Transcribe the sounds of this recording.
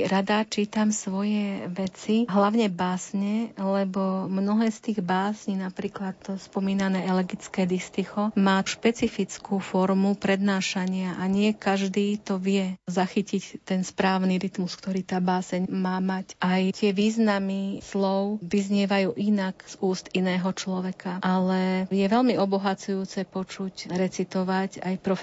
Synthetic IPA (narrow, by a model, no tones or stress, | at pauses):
ɾad̪at͡ʃiːt̪amsʋɔjɛʋɛt͡siɦlaʊɲɛbaːsɲɛlɛbɔmnɔɦɛːst̪iːɣbaːsɲinapɾiːklat̪spɔmiːnanɛːɛlɛɡit͡skɛːd̪ist̪ixɔmaːʃpɛt͡sifit͡skuːfɔɾmupɾɛd̪naːʃaɲɪaʔaɲɪɛkaʒd̪iːt̪ɔʋɪɛzaxicict̪ɛnspɾaːʊniɾit̪muskt̪ɔɾiːt̪aːbaːsɛɲmaːmacʔajt̪ɪɛʋiːznamislɔʊʋizɲɪɛʋajuːʔinakz̥uːst̪inɛːɦɔt͡ʃlɔʋɛkʰaʔalɛjɛʋɛlmiɔbɔɦat͡sujuːt͡sɛpɔt͡ʃucɾɛt͡sit̪ɔʋaca̰jpɾɔf